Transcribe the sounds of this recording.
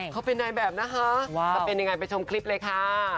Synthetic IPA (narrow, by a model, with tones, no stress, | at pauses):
kʰa˦˥pe˧nːaː˧jbɛː˨˩p̚na˦˥kʰa˦˥˧a˧˩pe˧nja˧ŋa˧jpa˧jt͡ɕʰo˧mkʰli˦˥p̚lɤː˧jkʰa˧˥˩